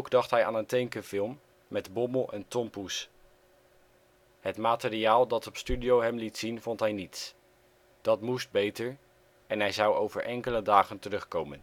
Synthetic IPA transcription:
wɡdɑχtɦɛja̰ːnəntɛjŋkəvɪlˠm | mɛdbɔməlˠɛntɔmpus | ɦətmaːtəɾiaːlˠdɑtɔpstydiowɦɛmlitsinvɔntɦɛjnits | d̥ɑtmust̚bejtəɹ | ɛnɦɛjzɑwowvəɹʔɛŋkələdaːχəntərɵχkowmən

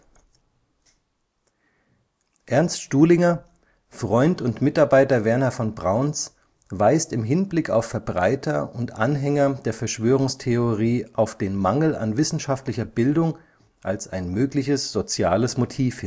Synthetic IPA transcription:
ʔɛɐnstʃtuːlɪŋɐ | fʁ̥ɔʏntʊntmɪtaɐbaɪtɐvɛɐnafɔnbʁaʊns | vaɪstɪmɦɪnblɪka̰ʊfɛɐbʁaɪtʰɐʔʊntʔanɦɛŋɐd̥eːɐfɛɐʃv̥øːʁ̞ʊŋstʰeoʁiːʔaʊfd̥eːnmaŋl̩a̰nvɪsn̩ʃaftlɪçɐbɪldʊŋ | ʔalsaɪnmøːklɪçəsz̥ot͡sjaːləsmotʰiːfhɪn

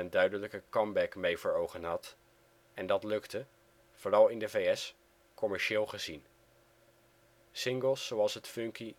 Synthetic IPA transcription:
əndœɥdələkəkɑmbɛkmejvəːɹowχənɦɑt | ɛndɑtlɵktə | v̥oːrɑlˠɪndəvejɛs | kɔmɛɹʃɪːlˠχəzin | sɪŋɡəlˠsːowɑlˠsɦətfɵŋki

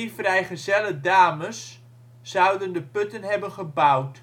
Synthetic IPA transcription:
ifrɛjχəzɛlədaːməsː | ʌwdəndəpɵtənɦɛbənχəbawt

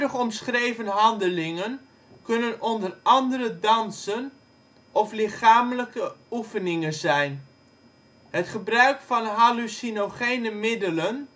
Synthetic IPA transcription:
dəχɔmsχrejvənɦɑndəlɪŋən | kɵnənɔndərɑndəɾədɑnsən | ʔɔflɪχaːmələkəufənɪŋənzɛjn | ɦətχəbrœɥkfɑnɦalusinoχejnəmɪdələn

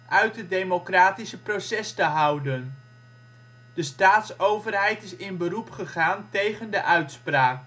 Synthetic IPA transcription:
ʔœɥtədejmokraːtisəprosɛstəɦʌwdən | d̥əstaːtsowvərɦɛjtɪsɪnbərupχəχaːntejχəndəʔœɥtspraːk

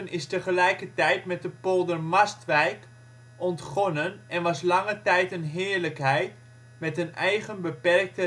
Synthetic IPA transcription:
ənɪstəχəlɛjkətɛjtmɛt̚dəpolˠdərmɑstʋɛjk | ʔɔntχɔnənɛnʋɑslɑŋətɛjtənɦɪːɹləkɦɛjt | mɛtənɛjχənbəpɛrk̚tə

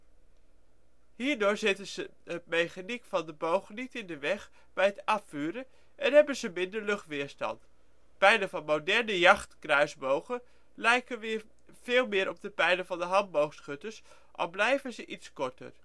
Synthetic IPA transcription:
hiːɹdʊːɹzɪtənzə | ət̚mejχanikfɑndəbowχənitɪndəʋɛχ | bɛjɦətɑfyːɾə | ʔɛnɦɛbənzəmɪndəɹlɵχtʋɪːɹstɑ̰nt | pɛjlənvɑnmodɛɹnəjɑχtkrœɥzbowχə | lɛjkənʋɪ | v̥ɪːlˠmɪːɾʔɔb̚dəpɛjləvɑndəɦɑnbowχsχʏtəɹs | ʔɔ̰fblɛjvənzəʔitskɔɹtə̰ɹ

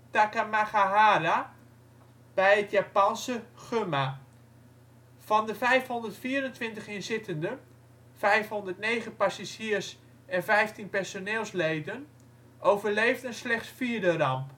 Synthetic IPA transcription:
takamaχaɦaːɾa | b̥ɛjətjapɑnsəχøma | vɑndəvɛjfhondərtfiːəɾəntʋɪntəχɪnzɪtəndə | fɛjfhɔndəɹtnejχənpasaʒiːrs | ɛnvɛjftinpɛɹsoneːlˠslejdən | ʔowvəɹlejvdənslɛχtsfiəɹdərɑmp

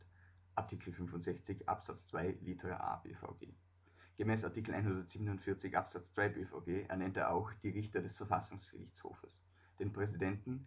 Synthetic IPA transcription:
ʔaɐtʰikʰl̩fʏnfʊntz̥ɛçt͡sɪçʔa̰psat͡st͡sv̥aɪliːtʰəʁɐ̰ʔa̰ːbḛːfa̰ʊɡḛː | ɡ̥əmɛːsaɐtʰiːkl̩ʔa̰ɪnhundɐtz̥iːbənʊntfɪɐt͡sɪçʔa̰psat͡st͡sv̥aɪbefaʊɡeːʔɛ̰ɐnɛnteːɐʔa̰ʊxd̥iːʁɪçtɐdɛsfɛɐfasʊŋsɡ̥ə̰ʁɪ̰çt͡sho̰ːfəs | d̥eːnpʁ̥ɛzidɛntn̩

